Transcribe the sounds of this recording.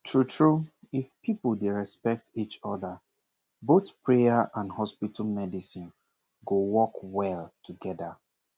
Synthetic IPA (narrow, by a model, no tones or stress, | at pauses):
tʰɹutʰɹu | ifpipl̩ˠdeɹɛspɛk̚tit͡ʃɔðə | boθpʰɹeaʔãnhɔspitl̩mɛdisĩn | ɡowɔkwɛlˠtʰuɡɛdə